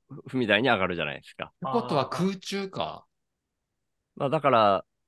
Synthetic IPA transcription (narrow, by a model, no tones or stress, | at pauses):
ɸɯ̟mʲid̪aiɲ̟iaɡaɾɯ̟ʑana̰ḭd̪esɨ̥ka̰eko̞t̪o̞βakʰɯːt͡ɕɨːka̰ | maːd̪akaɾa